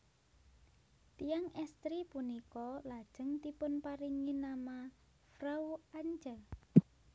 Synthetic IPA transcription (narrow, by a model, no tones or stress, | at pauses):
t̪ijaŋɛst̪ɾipunikɔlad̥ʒ̥əŋt̪ipʊnpaɾiŋinama | fɾawaɲd͡ʒə